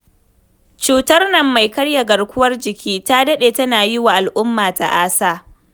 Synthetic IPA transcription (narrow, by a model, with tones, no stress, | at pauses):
t͡ʃuː˨tɐ˦rnɐ˦mːa˨jkɐ˦ɽja˨ɡɐ˨rkʷʊ˦wɐ˦rd͡ʒɪ˨kʲiː˦taː˦dɐ˦ɗeː˨tɐ˦naː˨jɪ˦wa˨ʔa˨lʔʊ˦mːaː˨ta̰˨ʔaː˦saː˦˨